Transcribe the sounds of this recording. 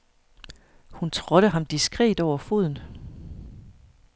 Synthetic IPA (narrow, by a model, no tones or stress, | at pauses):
hunt͡sʰʁɔ̽ɾ̥əɦɑ̈md̥isɡ̥ʁɛ̰ːd̥ɒʊ̰ɐfo̝ðˠn̩